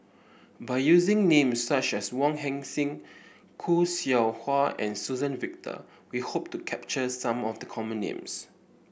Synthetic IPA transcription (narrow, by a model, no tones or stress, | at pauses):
baɪjuzɪ̃ŋnẽmsːat͡ʃɛswɔ̃ŋɦɛ̃ŋsɪ̃ŋ | kʰusiaʊhwaɛ̰̃nsuzə̃nvɪk̚tʰə̰ | wihop̚tukʰɛp̚t͡ʃəsãmɔfdəkʰɔmə̃nːḛ̃ms